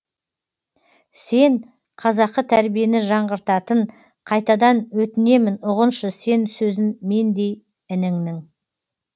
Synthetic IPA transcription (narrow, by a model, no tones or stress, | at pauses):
se̞ɴ | qʰɑzɑqːət̪ʰæɾbije̞nɪʒɑɴʁəɾt̪ɑt̪əɴ | qʰɑjt̪ɑd̪ɑnwɵt̪ɪne̞mɪnʊʁənʃəse̞nsɵzɪnme̞nd̪e̞j | ɪnɪŋnɪŋ